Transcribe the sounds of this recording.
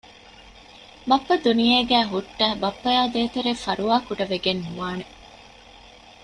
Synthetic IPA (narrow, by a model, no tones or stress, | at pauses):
bɐpːɐd̪unijeːɡæːɦuʈːɐbɐpːɐjaːd̪eːt̪eɾefɐɾuʋaːkuɖɐʋeɡenːuʋaːne